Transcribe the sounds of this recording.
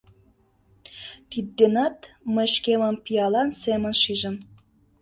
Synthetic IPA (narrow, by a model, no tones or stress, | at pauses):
t̪id̪̚ːenɑt̪mə̆ʃkemə̆mpiɑlɑnsemə̆nʃiʒə̆m